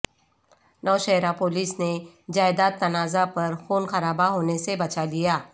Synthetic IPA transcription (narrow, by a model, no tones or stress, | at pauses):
nɔːʃɛɦɾapoːliːsne | d͡ʒaːɪd̪aːt̪ːɐnaːzapɐɾfoːnxɐɾaːbaɦoːnesebɐt͡ʃalijaː